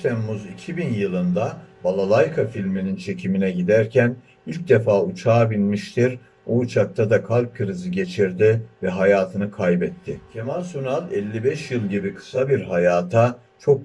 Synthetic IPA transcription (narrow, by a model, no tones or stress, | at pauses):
t̪ʰɛmːuzicʰibinjɯlˠɯnd̪abalˠalˠajkʰafilʲminint͡ʃʰe̞cʰiminɛɟid̪æɾcʰæn | ilʲc̚d̪efaːut͡ʃʰaːbinʲmiʃt̪ʰiɾ | oːt͡ʃʰak̚t̪ʰad̪akʰalp̚kʰɯɾɯzɯɟe̞t͡ʃʰiɾd̪ɪvɛɦajaːt̪ʰɯnɯkʰajbɛt̪ʰːɪcʰemalʲsunalˠɛlʲːibɛʃjɯlˠɟibikʰɯ̥sabiɾɦajaːt̪ʰa | t͡ʃʰo̞k̚